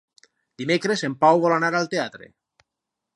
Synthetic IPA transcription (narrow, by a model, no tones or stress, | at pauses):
d̪̥imekɾesempawβolanaɾalt̪eat̪ɾḛ